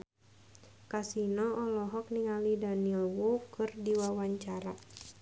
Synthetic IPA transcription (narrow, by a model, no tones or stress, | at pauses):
kasinɔɔlɔɦɔk̚niŋalidanilwokɨrdiwawaɲt͡ʃaɾa